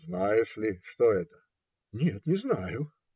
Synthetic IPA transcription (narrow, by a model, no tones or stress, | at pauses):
znajɪʂlʲɪʂt̪oɛt̪ə̥ | nʲet̪nʲɪznajʊ